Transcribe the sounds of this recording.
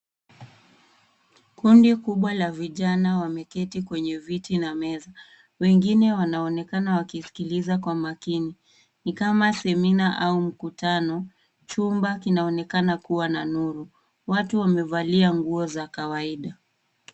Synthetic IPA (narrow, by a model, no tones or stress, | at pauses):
kundikuɓwalaviʄanawamɛkɛtikwɛɲɛvitinamɛza | wɛŋɡinɛwanaɔnɛkanawakisi̥kilizakwamakini | nikamasɛminaʔaum̩kutanɔ | t͡ʃumbakinaɔnɛkanakuwananuɾu | watuwamɛvaliaŋɡuɔzakawaiɗa